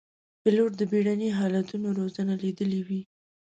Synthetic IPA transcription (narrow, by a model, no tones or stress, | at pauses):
pəloɾd̪əbeɽaneɦɑlat̪unoɾozanalid̪əliwi